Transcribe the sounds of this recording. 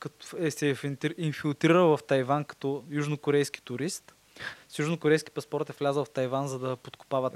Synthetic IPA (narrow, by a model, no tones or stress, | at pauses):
kɐtɛsɛfiinfilˠt̪ɾiɾəlˠvɐft̪ɐjvankɐ̥t̪ɔjuʒnokoɾɛjski̥t̪ʊɾist̪ | sjuʒnokoɾɛjskʲi̥pɐspɔɾt̪ɛvlʲazəlˠft̪ɐjvanzɐd̪ɐpot̪ko̥pavɐt̪